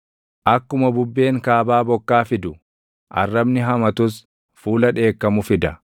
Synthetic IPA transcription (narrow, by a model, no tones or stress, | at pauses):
ʔɐkːʊmɐbʊbːe̞ːŋkaːbaːbɔkːaːfɪd̪ʊ | ʔɐ̰rːɐbnɪɦɐmɐt̪ʊs | fuːlɐᶑe̞ːkːɐmʊfɪd̪ɐ